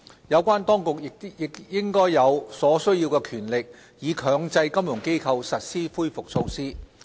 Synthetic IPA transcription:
jɐ˨˧wkʷaː˥nt̪ɔː˥ŋkʊ˨k̚jɪ˨k̪̚jɪ˨˩kjɪ˥ŋkɔː˥jːɐ˨˧wsɔː˨˥sɵ˥ɥjiː˧wkɛː˧kʰyː˨˩nlɪ˨k̚ | jiː˨˧kʰœː˨˧ŋt͡sɐ˧jkɐ˥mjʊ˨˩ŋke˥jkʰɐ˧wsɐ˨t̚siː˥fuː˥jfʊ˨k̚so˧wsiː˥

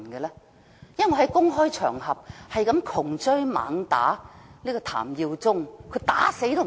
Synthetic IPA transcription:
nɡɛ˧lɛː˥ | jɐ˥˨˩ŋɔ˨˧˩hɐ˨˦jkʊ˥ŋɦɔː˥jt͡ʃʰœ̰ː˨˩ŋɦɐ˨p̚hɐ˨jkɐ˨˥mkʰʊ˨˩ŋt͡sɵ˥ɥma̰ː˨˥ŋt̪a̰ː˨˥liː˥kɔ˧t̪ʰa̰ː˨˩mjiː˧wt͡sʊ˥ŋkʰɵ˨˧ɥt̪aː˨˥se˨˥jt̪o˥

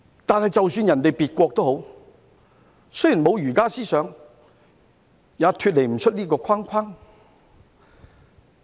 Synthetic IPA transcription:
t̪aː˨nhɐ˨jt͡sɐ˨wsyː˧njɐ˨˩nt̪e˨jpiː˨t̚kʷɔː˧k̚t̪o˥ɦo˨˥w | sji˨˩nmo˨˧wjyː˨˩kaː˥siː˥sœː˨˧ŋ | jaː˨˧t̪ʰyː˧t̚le˨˩jm̩˨˩t͡ʃʰɵ˥t̚liː˥kɔː˧kʰaː˥ŋkʰaː˥ŋ

